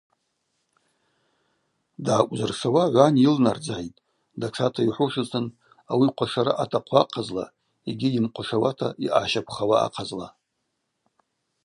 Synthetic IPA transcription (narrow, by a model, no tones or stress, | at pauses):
dʕakʷʼzɨrʂawaʕʷanilnard͡zaʕitʼ | daʈ͡ʂʰatʰaiħʷʊʂɨsʰʼɨn | awiqʷʰaʂaɾaʔatʰaqʷʰaqʰazla̰ | iɡʲijɪmqʷʰaʂawatʰa̰ʔiʔaːʃakʷʰχawa̰ːqʰazla